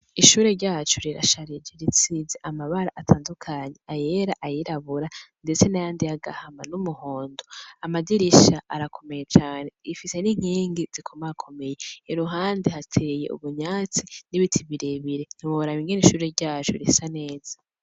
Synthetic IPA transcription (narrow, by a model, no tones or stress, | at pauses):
iʃuːɾe̞ɾɟaːt͡ʃuɾiɾa̰ʃaɾid͡ʒeɾit͡sizeʔamaβaɾaʔatʰaːndukʰaːɲe̞aje̞ɾaʔajiɾaβuɾande̞t͡se̞najaːndijaɡa̰hamanumuho̞ːndoamadiɾiʃaʔːɾakʰo̞me̞jet͡ʃaːne̞ifise̞niŋ̥iːŋɡiz̥ikʰomaakʰo̞me̞jeːɾuɦaːndihatʰejḛṵβuɲaːt͡siniβitʰiβiɾeβiɾe̞n̥iβoβɾaβiŋɡeniʃuːɾeɾɟaːt͡ʃuɾisane̞ːz̥ḁ